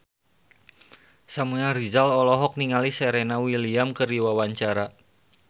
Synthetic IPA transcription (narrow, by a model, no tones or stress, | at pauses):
samunaɾizalɔlɔɦɔk̚niŋaliseɾenawiliamkəriwawaɲt͡ʃaɾa